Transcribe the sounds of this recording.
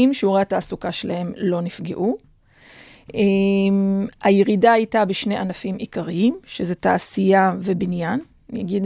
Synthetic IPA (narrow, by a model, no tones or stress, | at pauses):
imʃeoʁeataːsukaʃelahe̞mlo̞nifɡḛʔu | emajeʁidaajtabeʃne̞ʔanafimʔikaʁiimʃezeta̰ʔːsijave̞binjan | jaɡid